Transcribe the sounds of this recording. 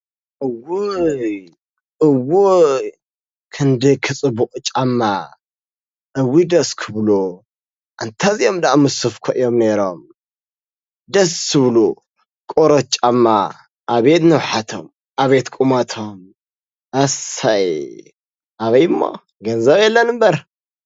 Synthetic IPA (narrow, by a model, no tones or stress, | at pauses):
ʔɨwuj | ʔɨwu | kʰɨnd̪ɨkʰɨt͡sʼɨbuqʼt͡ʃʼamːa | ʔɨwːid̪ɐskʰɨβlu | ʔɨnt̪ʰazijomd̪aʔmɨsɨfkʰɐʔjomneɾom | d̪ɐsːɨβlu | kʼoɾɐt͡ʃʼamːa | ʔaβet̪nɐwħat̪ʰo̰m | ʔaβet̪kʼumat̪ʰom | ʔɐsaj | ʔaβɐjɨmːo̰ | ɡɐnzɐβjɛlːɐnɨmbɐɾ